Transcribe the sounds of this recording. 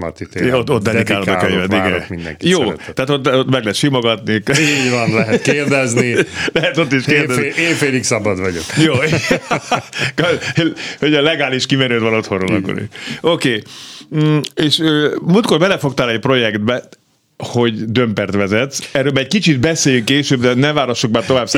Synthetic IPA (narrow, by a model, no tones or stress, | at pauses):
mɔ̰t̪it̪eot̪ːot̪̚d̪ɛd̪ikaaːlod̪ɒkøɲvɛt̪ːiɡɛ̰mḭnd̪ɛ̰ŋkijoːt̪ɛaːt̪ot̪ːot̪mɛɡlɛɦɛt̪ʃimoɡɒt̪nikiɟvɒnlɛɦɛt̪keːrd̪ɛznilɛɦɛt̪o̞t̪̬ːiʃkeːrd̪ɛzeːɱfeːliksɒbɒd̪vɒɟokjoː | k | hoɟɒlɛɡaːliʃkimɛɾøːt̪ʋɒnot̪ho̞nro̰lɒ̰kːo̰ɾḭokeː | eːʃøːmuːlt̪̚korbɛlɛfo̞k̚t̪alɛc̚pro̞jɛkd̪bɛ | ho̞ɟd̪ømpɛrt̪ʋɛzɛt̪sɛrːøːlmaːɛckit͡ʃit̪bɛseːjyŋkːeːʃøːbd̪ɛnɛvaːɾoʃːuk̚baːt̪ovaːbs